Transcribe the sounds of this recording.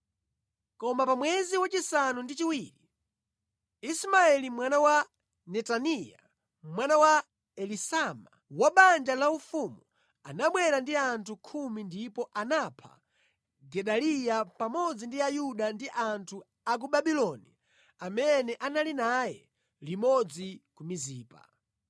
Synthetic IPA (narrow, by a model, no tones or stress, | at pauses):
kɔmapamwɛziwat͡ʃisanundit͡ʃiwiɾi | ismaɛlimwanawa | nɛtanija̰ | mwanawa | ɛlisama | waɓand͡ʒalaufumu | anaɓwɛɾandiantʰukʰumindipɔʔanapʰa̰ | ɡɛɗalijapamɔd͡zindiajuɗandiʔantʰu | ak̬uɓaɓilɔni | amɛnɛʔanalinajɛ̰ | limɔd͡zikumiziːpa̰